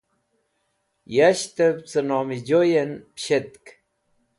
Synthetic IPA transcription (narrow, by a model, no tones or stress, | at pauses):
jaɕt̪əp̚t͡sənomid͡ʑojenpɕet̪k